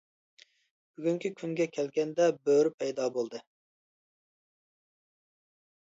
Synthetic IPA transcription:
b̥yɡʲyŋkʲʰikʲʰyŋɡʲɛkʲʰɛlɡʲɛnd̪ɛbøɾypʰɛjd̪ɑːbolˠd̪ɨ

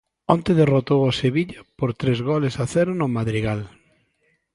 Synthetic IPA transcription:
õnt̪eðerot̪owoseβiʎapoɾt̪ɾezɣɔlesaθɛɾʊnʊmaðɾiɣal

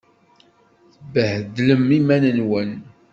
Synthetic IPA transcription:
θbəhðləmːimænənwən

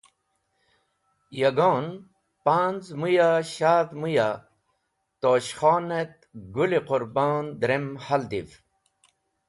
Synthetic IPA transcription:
jɐɡoːn | paːnzmujaɕaːd̪muja | t̪oːɕχaːnet̪̚ɡuliqʊɾbaːnd̪ɾemhald̪iv

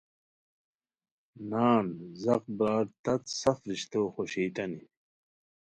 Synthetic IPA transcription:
naːnzɐq̚bɾaːɾt̪ɐt̪sɐfɾiɕt̪oːxoɕiːt̪ɐni

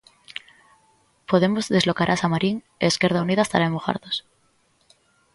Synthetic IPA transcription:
poðemozðe̞zlo̞kaɾʔasamaɾiŋ | eːskeɾðauniðast̪aɾaemuxa̰ɾðos

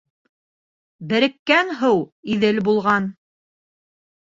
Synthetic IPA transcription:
bɘ̆ɾɘ̆kːænɦɤwiðɘlbulˠʁɑn

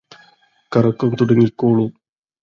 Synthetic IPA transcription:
kɐɾɐkːɐmt̪uɽɐŋːilkoːɭum

